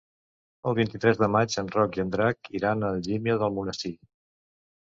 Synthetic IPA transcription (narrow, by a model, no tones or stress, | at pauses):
əlˠβint̪it̪ɾɛzðəmad͡ʒənrɔkiənd̪ɾakiɾanəlˠʒimjəðəlˠmunəst̪i